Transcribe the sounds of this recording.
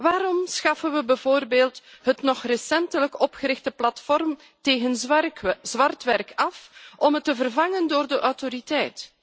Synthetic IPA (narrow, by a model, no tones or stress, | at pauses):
ʋaːɾɔmsxɑfənʋəbɛvoːrbeːlˠtɦətnɔxrəsɛntələkɔpxəɾɪxtəplɑtfɔrm | teːɣən | zʋɑrtʋɛrkɑfɔmɦətːəvərvɑŋəndoːrdəʔɔwtoɾitɛjt